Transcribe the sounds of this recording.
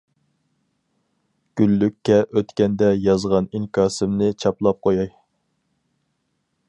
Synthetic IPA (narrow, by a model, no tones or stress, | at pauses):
ɡ̥ʲylːykʲʰːɛʔøt̪kʲɛnd̪ɛjɑzʁɑniŋkʰɑːsɪmnɨt͡ʃʰɑplˠɑp̚qʰojɑj